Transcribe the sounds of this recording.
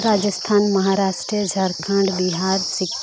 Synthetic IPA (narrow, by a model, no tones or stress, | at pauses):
ɾaːd͡ʒəst̪ʰaːnmɐɦaːɾaːsʈɾiəd͡ʒʱɐɾkʰə̃ɳɖbiɦaːɾsɪk